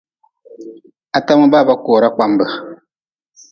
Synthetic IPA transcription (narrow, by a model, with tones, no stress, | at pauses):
a˨ta˦mə˦ba˦˨ba˦koː˨ɾa˦k͡pa˦mbə˨